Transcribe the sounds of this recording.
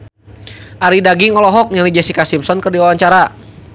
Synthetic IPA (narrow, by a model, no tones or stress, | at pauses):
ʔaɾidaɡiŋɔlɔɦɔk̚ɲaŋlid͡ʒasikasimpsɔnkərdiwawaɲt͡ʃaɾa